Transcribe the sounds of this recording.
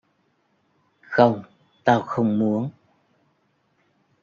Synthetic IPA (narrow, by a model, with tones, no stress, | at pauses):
xə˧wŋ͡m | t̪aː˧wxə˧wŋ͡mmu˨˦ən